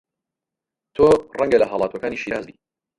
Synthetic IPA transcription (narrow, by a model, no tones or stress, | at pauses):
t̪ʰorɐŋɡɐlɐɦaːlˠɑːt̪uɐkaːniːʃiːɾaːzd̪ḭː